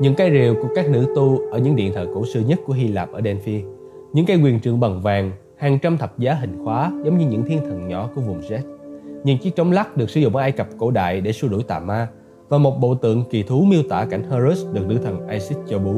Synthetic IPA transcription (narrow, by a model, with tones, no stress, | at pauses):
ɲɨ̰˧˥ŋkaː˨˦jɾi˨˩əwku˧˩əkaː˦˥k̚nɨ̰˧˥t̪u˧ʔʔəː˧˩ɲɨ̰˧˥ŋɗḭ˧˨ənt̪ʰəː˧˨˩jko˧˩sɨ˧ɲə˦˥t̚ku˧˩əɦi˧laː˨˩p̚ʔəː˧˩ɗɛ˧nfi˧ | ɲɨ̰˧˥ŋkaː˨˦jkwi˨˩ənt͡ɕɨ̰˧˨əŋɓa˨˩ŋvaː˨˩ŋ | haː˨˩ŋt͡ɕa˧mt̪ʰə˨˩p̚zaː˨˦ɦï˨˩ŋ̟xwaː˨˦zə˨˦wŋ͡mɲɨ˧ɲɨ̰˧˥ŋt̪ʰi˧ənt̪ʰə˨˩ŋɲɔ˧˩˦ku˧˩əvʊ˨˩ŋ͡mzɛ˦˥t̚ɲɨ̰˧˥ŋt͡ɕi˦˥k̚t͡ɕɔ˨˦wŋ͡mla˦˥k̚ɗɨ˨˩ək̚sɨ˨˧˦zʊ̰˧˨ŋ͡mʔəː˨˩ʔaː˧jkə˨˩p̚ko̰˧˥ɗa̰ː˧˨jɗe˧˩su˧ɗu˧˩jt̪a̰ː˧˨maː˧ | vaː˨˩mo˨˩t̚ɓo̰˧˨t̪ɨ̰˧˨əŋki˨˩t̪ʰu˨˦mi˧əwt̪wa̰ː˧˩ka˧˩jŋ̟həː˧zu˦˥sɗɨ˨˩ək̚nɨ̰˧˥t̪ʰə˨˩ŋʔaː˧jsi˦˥t̚t͡ɕo˧ɓu˨˦